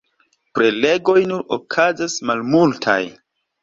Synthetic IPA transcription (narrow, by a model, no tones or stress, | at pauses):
pɾe̞le̞ɡo̞jnuɾo̰kʰazasmalmultʰa̰j